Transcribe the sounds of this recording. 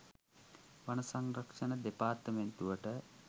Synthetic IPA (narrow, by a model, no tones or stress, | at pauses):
ʋanəsaŋrɐkʂənəd̪epaːrt̪əment̪uʋəʈə